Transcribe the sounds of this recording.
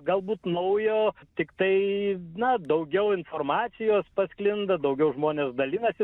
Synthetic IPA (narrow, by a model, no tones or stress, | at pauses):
ɡɐlˠbuːt̪nɐʊjoːt̪ʲɪkt̪ɐɪnɐd̪ɐʊɡʲɛʊɪnfoːrmɑːtsʲɪjoːspɐsʲklʲɪnd̪ɐd̪ɐʊɡʲɛʊʒmoːnʲeːsd̪ɐlʲɪnɐsʲɪ